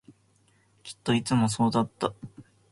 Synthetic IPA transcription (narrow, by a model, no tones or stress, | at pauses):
kʲi̥t̪ːo̞it͡sɨmo̞s̬o̞ːd̪at̪ːa